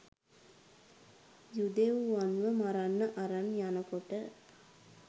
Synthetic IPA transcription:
jud̪euʋanʋəmaɾanːəʔaɾanjanəkoʈə

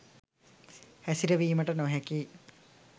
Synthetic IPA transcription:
hɛsiɾɐʋiːmɐʈɐnoɦɐki

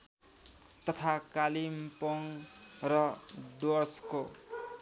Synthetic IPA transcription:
t̪ʌt̪ʰakalimpoŋrʌd̪osko

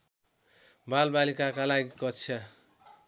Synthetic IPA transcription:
balbalikakalaɡikʌt͡sʰa

